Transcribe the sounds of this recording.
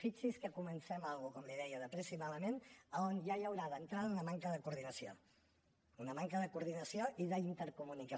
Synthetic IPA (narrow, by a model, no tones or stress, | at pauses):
fit͡ʃiskəkumənsɛmalˠɣukɔmliðɛjəðəpɾesimaləmenəonʒajəwɾaðənt̪ɾaðəunəmaŋkəðəkuɾðinəsio̰ | unəmaŋkəðəkuɾð̞inəsioʔiðəint̪əɾkumunikə